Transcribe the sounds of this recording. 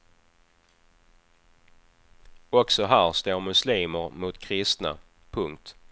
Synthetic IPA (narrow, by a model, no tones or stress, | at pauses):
ɔksɔɦæːɾst̪oːɾmɵsliːməɾmʊt̪kʰɾɪst̪na̰ | pʰɵŋkt̪